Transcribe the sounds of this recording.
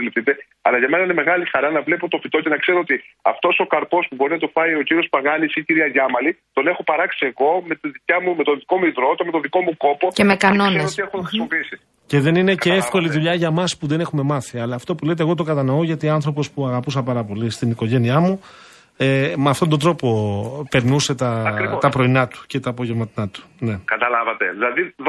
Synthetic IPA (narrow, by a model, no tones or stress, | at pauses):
lifθit̪e̞ | ɐ̰lɐʝɐme̞nɐine̞me̞ɣɐlixɐɾɐnɐvle̞pot̪o̞fit̪o̞ce̞nɐkse̞ɾoot̪iɐ̰ft̪o̞so̞kɐɾpo̞spubo̞ɾinɐt̪ofɐio̞ciɾio̞spɐɣɐnisiciɾiɐʝɐmɐlit̪o̞ne̞xo̞pɐɾɐksie̞ɣo̞me̞t̪iðicɐmume̞t̪o̞nðiko̞muivɾot̪ome̞t̪o̞nðiko̞muko̞po̞cemekɐno̞nesost̪iexot̪oxɾisimo̞piisi | ce̞ðe̞nine̞keefko̞liðuʎɐʝɐmɐspuðe̞ne̞xume̞mɐθiɐlɐːft̪o̞pule̞t̪e̞ɣo̞t̪okɐt̪ɐno̞oʝɐt̪iɐnθɾo̞po̞spuɐɣɐpusɐpɐɾɐpo̞list̪iniko̞ʝe̞niɐmu | emeɐft̪o̞nd̪o̞nd̪ɾo̞po̞pe̞ɾnuse̞t̪ɐɐɾt̪ɐpɾo̞inɐt̪u̥ce̞t̪ɐːpo̞ʝevmɐt̪inɐt̪u̥ne̞kɐt̪ɐlɐvɐt̪e̞̰ðilɐðið